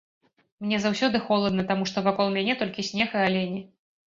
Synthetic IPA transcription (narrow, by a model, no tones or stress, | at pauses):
mnʲɛzawsʲɔd̪ɨxɔlˠɐd̪nɐt̪amuʂt̪ɔvakɔlˠmʲanʲɛt̪ɔlʲkʲisʲnʲɛxɨalʲɛnʲi